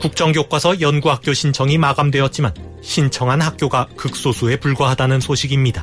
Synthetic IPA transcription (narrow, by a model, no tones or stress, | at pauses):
kuk̚t͡ɕ͈ʌŋɡjok͈wasʰʌjʌnɡuɦak̚k͈joɕʰint͡ɕʰʌŋimaɡamdwe̞ʌt̚t͡ɕ͈iman | ɕʰint͡ɕʰʌŋɦanhak̚k͈joɡakɯk̚s͈osʰue̞puɭɡwʌɦadanɯnsʰoɕʰiɡimɲida